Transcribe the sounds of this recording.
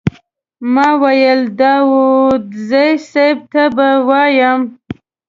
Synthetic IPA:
mɑwajəld̪ɑwod̪zəjsajb̚t̪abawɑjəm

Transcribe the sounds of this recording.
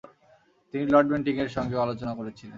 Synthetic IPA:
t̪inilɔɖbeɳʈiŋeɾʃɔŋɡealot͡ɕonakoɾet͡ɕʰilen

